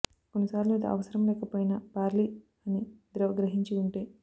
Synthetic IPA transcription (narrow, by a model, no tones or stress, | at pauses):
konːisaːɾlumiːd̪ɐ̰ɐ̰ʋɐsɐɾɐmlɛːkɐpoːjnɐpaːɾli | ɐnid̪ɾɐʋɐɡɾɐɦiɲt͡ʃiuɳʈeː